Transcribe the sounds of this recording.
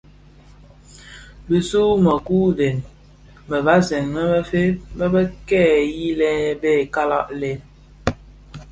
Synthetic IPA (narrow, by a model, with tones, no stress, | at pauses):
bi˨su˦mə˨ku˦de˨n | mə˨ba˦sɛ˨ŋːə˦bə˦fe˦bə˦bə˦kɛː˦˨ji˦lɛ˦be˦˨ka˦la̰˦ʔle˦